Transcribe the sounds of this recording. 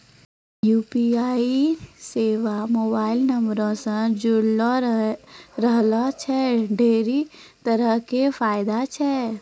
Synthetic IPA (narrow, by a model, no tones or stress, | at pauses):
juːpiaːiseːʋamoːbaːɪlnəmbɾõsə̃d͡ʒʊɽlɔ | ɾəɦlɔt͡ʃʰɛɖʱeːɾi | t̪əɾəɦkefʰaːɪd̪at͡ʃʰɛ